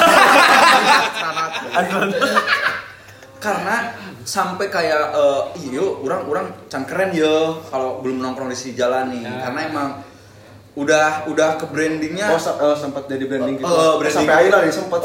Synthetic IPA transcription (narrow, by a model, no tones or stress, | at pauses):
atkəɾanat̪ | kaɾənasampajkajaʔəːijouɾaŋuɾaŋt͡ʃaŋkəɾɛnjəkalobəlʊmnɔŋkɾɔŋdisid͡ʒalanikaɾənaemaŋ | udahudahkəbɾɛndɪŋɲaosapəsəmpət̪̚d͡ʒadibɾɛndɪŋkəbɾɛsaɪŋpailadisəmpət̪